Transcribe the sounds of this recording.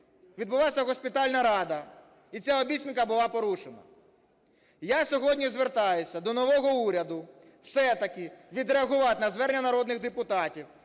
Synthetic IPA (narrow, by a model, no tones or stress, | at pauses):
ʋʲid̪̚bʊlˠasʲɐɣɔsʲpʲɪt̪alʲnɐɾɑd̪ɐ | it͡sʲaɔbʲisʲinmkɐbʊlˠɑpɔɾuʃenɐ̰ | jasʲɔɦɔdʲnʲizʋert̪ɑjʊsʲɐd̪ɔnɔʋɔɦɔuɾʲɐd̪ʊ | wsɛt̪ɐkɪʋʲid̪ɾeɐɣʊʋɑt̪nɐzʋɛɾnʲːɐnɐɾɔd̪nɪɣd̪epʊt̪ɑtʲiw